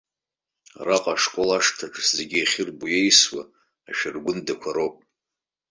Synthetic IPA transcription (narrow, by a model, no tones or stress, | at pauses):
raqʼaʂkʷʼolaʂtʰaʈ͡ʂʰʼszeɡʲiaχʲɪrbujejswa | aʃᶣɪrɡʷʊndakʷʰaɾowpʼ